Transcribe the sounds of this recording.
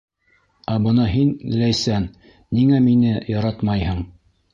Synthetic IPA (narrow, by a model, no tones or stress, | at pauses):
æbɤnɑɦin̆læjsæn | niŋæminɘjɑɾɑt̪mɑjhɤɴ